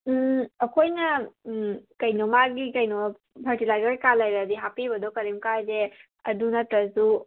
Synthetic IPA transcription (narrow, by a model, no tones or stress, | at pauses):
ɐkʰojnɐ | kɐjnɔmaɡikɐjno | bʰʱɐɾtilajɡaɾkalajɾadiɦapibɐdɔkɐɾimkajze | ɐdunɐtɾɐsu